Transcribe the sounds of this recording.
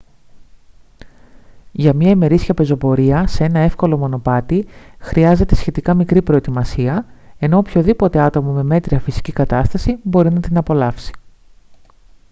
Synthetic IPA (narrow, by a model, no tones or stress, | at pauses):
ʝɐmɲɐime̞ɾisçɐpe̞zo̞po̞ɾiɐsee̞nɐe̞fko̞lo̞mo̞no̞pɐt̪ixɾiɐze̞t̪e̞sçe̞t̪ikɐmikɾipɾo̞et̪imɐsiɐe̞no̞opço̞ðipo̞t̪e̞ɐt̪o̞mɐme̞me̞t̪ɾiɐfisi̥cikɐt̪ɐst̪ɐsibo̞ɾinɐt̪inɐpo̞lɐfsi̥